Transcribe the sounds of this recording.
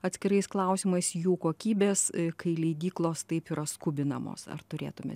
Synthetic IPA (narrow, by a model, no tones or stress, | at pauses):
ɐt̪ʲsʲkʲɪɾɐɪsklˠɐʊsʲiːmɐɪsjuːkoːkʲiːbʲeːskɐɪlʲɛɪd̪ʲiːklˠoːst̪ɐɪpiːɾɐskʊbʲɪnɐmo̰ːsɐ̰rt̪ʊɾʲḛːt̪ʊmʲḛt̪